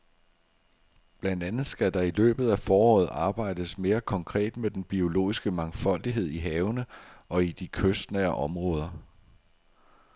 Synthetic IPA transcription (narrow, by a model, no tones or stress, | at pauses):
b̥lænd̥ænð̩ˠsɡ̥æd̥ɑ̈ilø̰ːb̥ð̩ˠæfɒːɒ̰ːð̩ˠɑ̈ːb̥ɑ̈ɪ̰d̥əsme̝ːɐkʰɒ̽ŋkʰʁɛ̰ːd̥med̥enb̥io̝lo̝̰ːisɡ̥əmɑ̈ŋfɒ̽l̰d̥iɦe̝ð̞̰ˠiɦɛːʊnəɒ̽id̥ikʰøsd̥næɐʔɒ̽mʁɔ̽ːð̞ˠɐ